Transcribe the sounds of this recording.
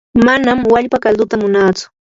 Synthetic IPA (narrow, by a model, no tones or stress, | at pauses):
manamwaʎpakald̪ʊt̪amʊnaːt͡sʊ̥